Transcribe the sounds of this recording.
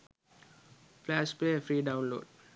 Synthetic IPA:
flɛspefɹiːdãw̃nlo̰t̚

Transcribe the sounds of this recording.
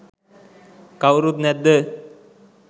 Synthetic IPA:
kawɾut̪nɛd̪ːə

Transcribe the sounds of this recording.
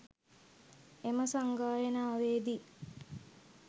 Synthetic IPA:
eməsaŋɡaːjenaːʋeːd̪i

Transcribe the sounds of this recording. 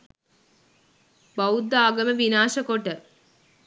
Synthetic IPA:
bɐwud̪aːɡɐmɐʋinaːʃɐkoʈːɐ

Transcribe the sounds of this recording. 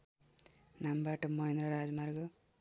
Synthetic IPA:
nambaʈmoind̪ɾaɾad͡ʒmaɾɡɔ

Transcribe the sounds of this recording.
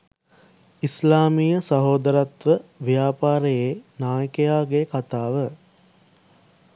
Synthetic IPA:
islaːmiːjəsɐɦoːd̪əɾat̪ʋəʋjaːpaːɾəjeːnaːjəkejaːɡekat̪aːʋə

